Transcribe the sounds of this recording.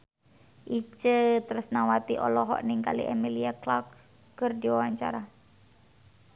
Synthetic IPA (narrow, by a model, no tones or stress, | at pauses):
ʔit͡ʃət̪əɾəsnawat̪iʔɔ̰lɔɦɔ̰ʔniŋka̰lḭʔɛmiliaklɔkː | ərdiwawaɲt͡ʃa̰ɾa